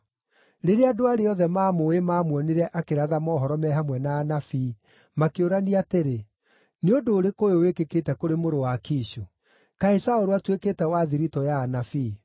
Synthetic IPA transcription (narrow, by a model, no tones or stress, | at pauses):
ɾeɾeadoaɾeɔðɛmaːmoemaːmwɔneɾɛʔakeɾaðamɔːɦɔɾɔmɛɦamwɛnaːnafiː | makeoɾaniateɾe | neondoːɾekojowekeketɛkoɾemoɾowakiːʃo | kaisaoɾoatwekeːtɛwaðiɾitɔjaːnafi